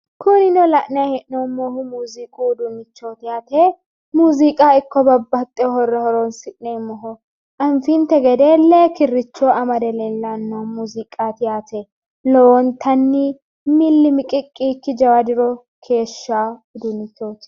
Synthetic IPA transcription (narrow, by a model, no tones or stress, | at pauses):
kʰʊnɪnɔlɐʔnɪahɛʔnomːoːhʊmuːzikʼud̪ʊnɪt͡ʃːoːt̪ɪjaːt̪eː | muːzikʼaːɪkːɔbɐbːɐt̪ʼːɛhɔrːɛhɔɾɔnsɪʔnemɔɦɔ | ʔɐnfint̪ɛɡɛd̪eːleːkɪrːɪt͡ʃːoːɐmɐd̪ɛlɛlːɐnːomuːzɪkʼaːt̪ɪjaːt̪e | lɔwɔnt̪ʰɐnːɪ | mɪlːɪmɪkʼɪkʼːiːkːɪd͡ʒɐwɐd̪ɪɾɔ | kʰe̞ːʃːaːʊd̪ʊnɪt͡ʃːoːt̪